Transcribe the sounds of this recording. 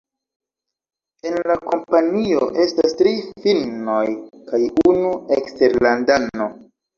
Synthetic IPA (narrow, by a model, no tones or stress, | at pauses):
e̞nlako̞mpanio̞ʔe̞stastɾifilno̞jkajunuekste̞ɾlandano